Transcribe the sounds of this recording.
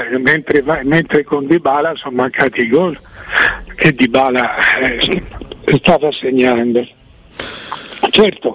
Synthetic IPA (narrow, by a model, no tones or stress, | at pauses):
ment̪ɾevament̪ɾekond̪ibaːlasɔnmaŋkʰaːt̪iiɡɔl | k̟ʰed̪ːibaːla | st̪aːvaseɲːand̪o | t͡ʃɛrt̪o